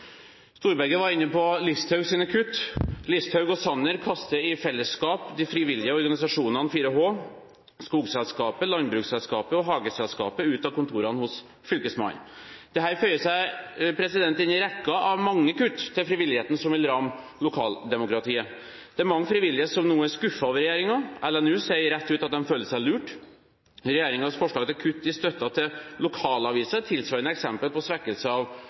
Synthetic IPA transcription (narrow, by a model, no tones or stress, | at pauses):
st̪uːɾbæɡəʋɑɾɪnːəpɔlɪst̪hœʉɡsinəkʰʉt̪ːlɪst̪hœʉɡɔsɑnːəɾkʰɑst̪əɪfɛlːəskɑːpd̪ɪfɾiʋɪljɪəɔɾɡɑnɪsɑʂuːnɑnfiːɾəɦoː | skuːɡsɛlskɑːpəlɑnbɾʉːksɛlskɑːpəɔɦɑːɡəsɛlskɑ̰ːpəʉːt̪ɑkʊnt̪ʰuːɾɑnəhʊs | fʏlkəsmɑ̰nd̪̥ɛɦæːɾfœʏəsæɪpʰɾɛsɪd̪ɛnt̪ɪnɪɾɛkːɑʔɑʋmɑŋːəkʉt̪ːt̪ʰːɪlfɾɪʋɪlːɪheːt̪nəsɔmʋɪlɾɑmː | lʊkʰɑːld̪ɛmʊkɾɑt̪ʰiːə | d̪ɛæɾmɑŋːəfɾɪʋɪlːɪheːt̪sɔmnuːəæskʉfːɑɑʋɾɛjeːɾɪŋɑʔɛlɛnʉːseɾɛt̪ːʉːt̪ɑt̪̚d̪ɛnføːləʂæɪlʉːʈ | ɾɛjeːɾɪŋɑsfɔʂɭɑːɡət̪ʰɪlkʰʉt̪ːɪst̪œt̪ːɑt̪ʰɪlʊkʰɑːlɑʋiːsət̪ʰɪlsʋɑɾənəɛksɛmpəlpɔsʋɛkːəlsəɑʋ